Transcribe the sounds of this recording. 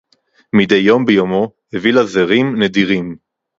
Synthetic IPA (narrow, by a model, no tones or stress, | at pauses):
mide̞jːo̞mbejomo̞hevilazeʁimnediʁim